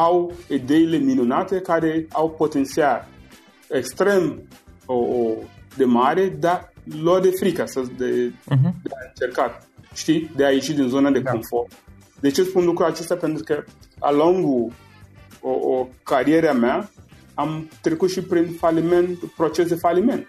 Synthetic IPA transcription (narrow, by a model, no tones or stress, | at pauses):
awid̪eileminunat̪ekaɾeawpot̪ent̪sial | ekst̪ɾemoʔod̪emaɾed̪alod̪efɾikasɐd̪ed̪eaɨnt͡ʃerkat̪̚ | ʃt̪id̪eajeʃit̪d̪inzonad̪ekoɱfor | d̪eat͡ʃespunlukɾuat͡ʃest̪apent̪ɾukəa̰loŋɡu | oʔokaɾieɾeamea | amt̪ɾekut̪ʃipɾinfalimenpɾot͡ʃesd̪efalimẽnt̪